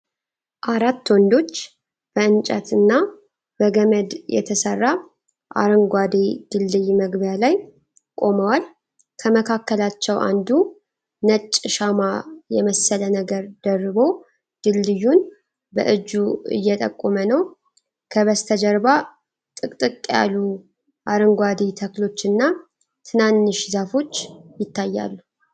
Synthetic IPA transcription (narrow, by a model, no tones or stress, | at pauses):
ʔaɾat̪ːwɔnd̪o̞t͡ʃː | b̥əɨnt͡ʃʼət̪ɨnːa | bəɡəməd̪jɛ̰t̪ʰəsərːa | ʔa̰ɾɨŋɡʷad̪ed̪̥ɨlːɨjməɡbjalaj | kʼo̞məwal | kʰəməkʰakːəlat͡ʃːɛwʔa̰nd̪u | nət͡ʃʼːʃamajɛməsələnəɡəɾd̪̥ərːɨβo̞ | d̪̥ɨlːɨjːun | bə̰ʔɨd͡ʒuɨ̰jːɛt̪ʼə̰kʼːomənəw | kʰəβəst̪ʰəd͡ʒəɾba | t̪ʼɨkʼt̪ʼɨkʼːja̰lːu | ʔaɾɨŋɡʷad̪et̪ʰəklo̞t͡ʃːɨnːa | t̪ʰɨnanːɨʃzafo̞t͡ʃːjɪt̪ʰːajːa̰lːu